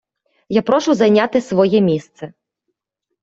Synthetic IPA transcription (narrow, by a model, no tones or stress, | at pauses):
japɾɔʃʊzɐjnʲat̪ɪsʋɔjɛmʲist̪sɛ